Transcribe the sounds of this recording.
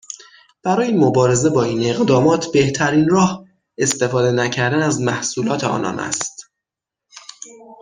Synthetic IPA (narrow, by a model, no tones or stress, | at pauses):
b̥æɾɒːjimobɒːɾe̞ze̞bɒːiːne̞ɣd̪ɒːmɒːt̪ʰbe̞ht̪ʰæɾiːnrɒːh | e̞st̪e̞fɒːd̪e̞næcʰæɾd̪ænæzmæhsuːlɒːt̪ʰeɒ̰ːnɒ̰ːnæ̰st̪